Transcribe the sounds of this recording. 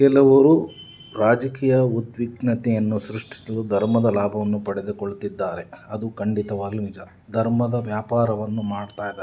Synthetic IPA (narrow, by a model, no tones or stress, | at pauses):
kɛlɐʋɐɾu | ɾaːd͡ʒɐkiːjɐud̪ʋiɡnɐt̪ɛjɐnːusɾuʂʈʰi̥sɐlud̪ʱɐɾmɐd̪ɐlaːbʱɐʋɐnːupɐɽed̪ukoɭt̪id̪ːaːɾe̞ɐd̪ukɐɳɖit̪ɐʋaːɡinid͡ʒɐ | d̪ʱɐɾmɐd̪ɐʋjaːpaːɾɐʋɐnːumaːɖt̪aːjd̪